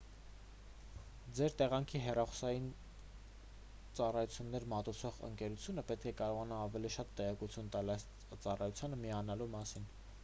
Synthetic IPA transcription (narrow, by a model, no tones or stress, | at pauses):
d͡zɛɾt̪ɛʁɑŋkʰiɦɛrɑχu̥sɑjin | t͡sɑrɑjut͡sʰjunːɛɾmɑt̪ut͡sʰɔʁə̰ŋkɛɾut͡sʰjunəpɛt̪̚kʰɛkɑɾɔʁɑnɑːvɛliʃɑt̪ːɛʁɛkut͡sʰjunt̪ɑlɑjs | t͡sɑrɑjut͡sʰjɑnəmiɑnɑlumɑsin